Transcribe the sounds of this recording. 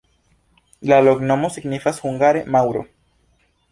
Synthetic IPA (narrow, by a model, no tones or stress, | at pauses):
laloɡnomosiɡnifasxuŋɡaɾemawɾo̰